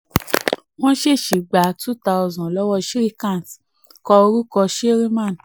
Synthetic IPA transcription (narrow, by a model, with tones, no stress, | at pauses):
w̃ɔ̃˦ʃe˦˨ʃi˨ɡ͡ba˨˦tu˦˨ta˧ɔ˧zɔ̃˨lɔ˦wɔ˧ʃi˦ɾi˦kã˦˨s | kɔ˧o˧ɾu˦kɔ˧ʃe˦ɾi˦mã˦˨n˨